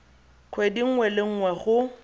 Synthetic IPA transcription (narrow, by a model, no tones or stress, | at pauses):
kʰwediŋ̩ŋwɛleŋ̩ŋwaɣʊ